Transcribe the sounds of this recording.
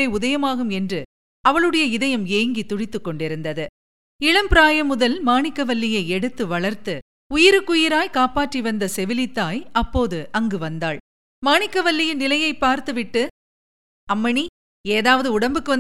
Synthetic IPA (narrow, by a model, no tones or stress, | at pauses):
ɐɪʊðɐjɐmaːɣɯmɛndrɯ | ɐʋɐɭɯɽɐjɐɪðɐjɐmjeːŋɡit̪ʊɻɪt̪ːɯkːɔɳɖɪɾɯnd̪ɐðɯ | ɪɻɐmpɾaːjɐmʊðɐlmaːɳɪkːɐʋɐlːɪjɐɪɛɽɯt̪ːɯʋɐɭɐɾt̪ɯ | ʊjɪɾɯkːʊjɪɾaːjkaːpaːʈriʋɐnd̪ɐsɛʋɪlɪt̪ːaːjɐpːoːðɯʔɐŋɡɯʋɐnd̪aːɭ | maːɳɪkːɐʋɐɭːɪjɐnɪlɐjɐɪpːaːɾt̪ɯʋɪʈːɯ | ɐmːɐɳi | eːðaːʋɐðɯʊɽɐmbɯkːɯʋɐ